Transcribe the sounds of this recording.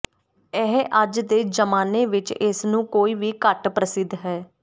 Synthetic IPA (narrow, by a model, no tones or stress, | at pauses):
ɛɦʔəd͡ʒd̪eːd͡ʒəmaːneːʋɪt͡ʃɪsnũːkoːiːʋiːkəʈpɾəsɪd̪ɦɛː